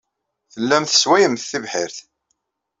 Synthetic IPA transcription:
θəlːæmθə̥swæjəmθːivħɪɾθ

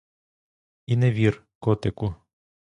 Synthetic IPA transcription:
inɛʋʲir | kɔt̪ɛku

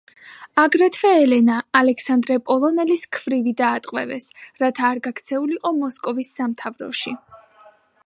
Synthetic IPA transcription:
aɡɾɛt̪ʰvɛːlɛnaːlɛkʰsand̪ɾɛpʼɔlˠɔnɛliskʰv̥ɾivid̪aːt̪ʼqʼwɛ̰vɛsɾat̪ʰaːɾɡakt̪sʰɛuliqʼɔmɔskʼɔvisːamt̪ʰavɾɔ̰ʃi

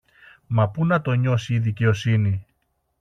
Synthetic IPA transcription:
mɐpunɐt̪o̞ɲo̞siːðice̞o̞sini

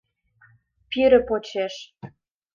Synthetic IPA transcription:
pyɾə̆pot͡ɕeʃ

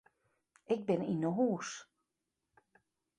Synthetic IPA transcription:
ɪk̚bɪninəɦuːs

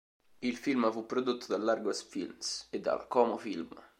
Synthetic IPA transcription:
ilfilmfupːɾod̪ot̪ːod̪alːarɡosfḭlmsed̪ːa̰lkɔːmofilm

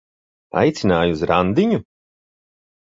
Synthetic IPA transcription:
a̰jt̪sinaːjuzɾand̪iɲu

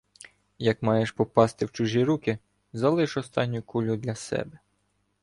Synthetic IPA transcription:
jɐkmɑjeʃpɔpɑst̪ɪwt͡ʃuʒʲiɾukʲɪ | zɐlˠɪʃɔst̪ɑnʲːʊkulʲʊd̪lʲɐsɛ̰bɛ

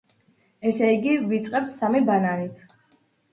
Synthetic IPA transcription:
ɛsɛiɡivit̪sʼqʼɛp̚t̪ʰsamibananit̪ʰ

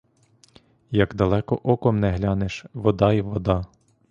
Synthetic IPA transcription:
jɐɡd̪ɐlˠɛkɔʔɔkɔmnɛɦlʲɑneʃʋɔd̪ɑiʋɔd̪ɑ

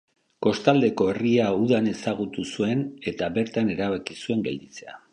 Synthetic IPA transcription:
ko̞st̪ald̪e̞ko̞e̞riauðane̞saɣut̪usue̞ne̞t̪aβe̞ɾt̪ane̞ɾaβakisue̞ŋɡe̞ld̪it͡se̞a̰

